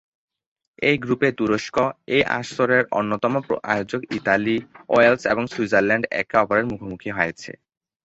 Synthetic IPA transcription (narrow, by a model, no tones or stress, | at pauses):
ejɡɾupet̪uɾoʃkoejʔa̰ʃoɾeɾo̰nːot̪ɔmopa̰jod͡ʑoɡitalioelseboŋswid͡ʑeɾlɛɳɖɛ̰kɔpoɾeɾmukʰomukʰiɦɔjet͡ɕʰḛ